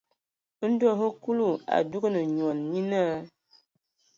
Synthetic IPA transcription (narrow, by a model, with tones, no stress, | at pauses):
n̩˦du˦o˦˨ɦo˦ku˦lu˦˨a̰˨du˦ɡə˦nə˨ɲ˨ɔ˨nɲi˦na˦